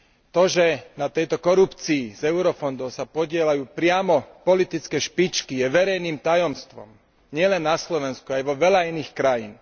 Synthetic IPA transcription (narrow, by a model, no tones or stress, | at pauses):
t̪ɔʒɛnat̪ɛjt̪ɔkɔɾupt͡siːzɛʊɾɔfɔnd̪ɔʊsapɔɟɪɛlajuːpɾɪamɔpɔlit̪it͡skɛʃpit͡ʃkijɛʋɛɾɛjniːmt̪ajɔmst̪ʋɔ̰m | ɲɪɛlɛnːaslɔʋɛnskuajʋɔʋɛlainiːxkɾajḭːn